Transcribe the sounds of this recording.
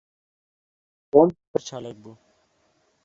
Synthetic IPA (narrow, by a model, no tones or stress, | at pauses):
koːmpəɾt͡ʃʰaːlək̚bu